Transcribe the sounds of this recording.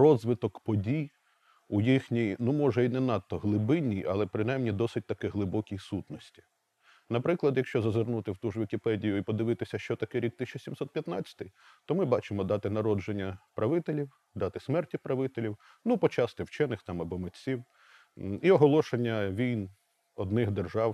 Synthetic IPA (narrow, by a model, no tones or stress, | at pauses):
rɔzʋɪt̪ɔkpɔdʲij | ujixnʲijnumɔʒɛinɛnɑt̪ːɔɦlˠɪbɪnʲːijɐ̰lˠɛpɾɪnɑjmnʲid̪ɔsɪt̚ʲt̪ɐkɪɦlˠɪbɔkʲijsut̪nɔsʲtʲi̥ | nɐpɾɪklˠɐd̪jɐkʃt͡ʃɔzɐzɪrnut̪ɪwt̪uʒʋʲikʲɪpɛdʲijʊipɔd̪ɪʋɪt̪ɪsʲɐʃt͡ʃɔt̪ɐkɛɾʲik̚t̪ːɪsʲt͡ʃɐsʲimsɔt̪̚pʲjɐt̪nɑt͡sʲːɐ̥t̪ɪj | t̪ɔmɪbɑt͡ʃɪmɔd̪ɑt̪ɪnɐɾɔd͡ʒenʲːɐpɾɐʋɪt̪elʲiw | d̪ɑt̪ɪsmɛrtʲipɾɐʋɪt̪elʲiw | nupɔt͡ʃɑst̪ɪwt͡ʃɛnɪxt̪ɑmɐbɔmet͡sʲiw | iɔɦɔlˠɔʃenʲːɐʋʲijn | ɔd̪nɪxd̪erʒɑw